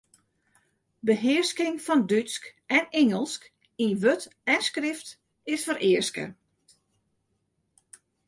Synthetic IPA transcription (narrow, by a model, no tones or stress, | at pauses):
bəɦɪəskɪŋfɔndyskɛnɛŋəlˠsk | inʋøtɛnskrɪft | ɪsfəɾʔɪərskə̰